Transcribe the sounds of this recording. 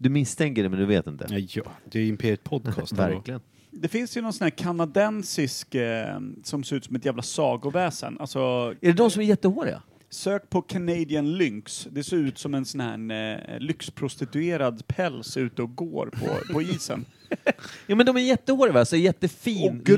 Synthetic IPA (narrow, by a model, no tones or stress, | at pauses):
d̪ɵmɪst̪ʰɛŋkəɖɛmɛnd̪ɵveːt̪ɪnt̪ə̰ɑːd̪ɛɪmpʰeːɾɪt̪pʰɔd̪kʰːst̪væɾkklɪɡən | d̪ɛfɪnsjɵnɔnsɔnæːɾkʰanad̪ɛnsɪsk | sɔmseːɾʉ̟t̪sɔmɛt̪jæːvlasɑːɡʊvɛːsə̰nʔa̰lsɔæɖɛd̪ɔmsɔmæɾjɛt̪ːəhoːɾɪ̰a̰ | søːk̚pʰɔkʰanɛjd̪ɪənlʏŋksd̪ɛæseːɾʉ̟ːt̪sɔmɛnsɔnhæ̰ɳlʏkspʰɾʊst̪ɪt̪ɵeːɾad̪pʰɛlsʉ̟ːt̪əɔɡo̰ːɾpʰɔ̰pʰɔiːsə̰n | juːmɛnd̪ɔmæɾjɛt̪ːəhoːɖɪavɛːsæɾjɛt̪ːəfiː